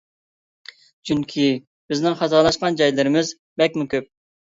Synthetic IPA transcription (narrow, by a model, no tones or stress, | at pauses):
d͡ʒyŋkʲʰi | b̥ɪznɪŋχɑzɑlˠɑʃqɑnd͡ʒɑjlɨɾɪmɪz | bɛk̚ʲmukʲøp̚